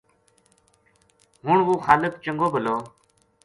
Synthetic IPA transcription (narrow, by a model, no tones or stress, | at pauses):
ɦʊɳʋuːxaːləkt͡ʃəŋɡoːbʱəloː